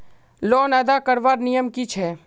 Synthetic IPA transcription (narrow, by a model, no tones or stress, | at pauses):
lɔːnɐd̪akəɾʋaːɾnijəmkit͡ʃʰɛː